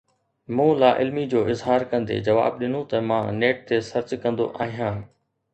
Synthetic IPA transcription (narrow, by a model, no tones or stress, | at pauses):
mũːlaːʔɪlmid͡ʑoːɪzɦaːɾkɐ̃nd̪ḛd͡ʑɐʋa̰ːbɗɪn̤ũt̪ɐmãːneːʈ̚t̪esɐɾt͡ɕkɐ̃nd̪o̰ʔaːɦijãː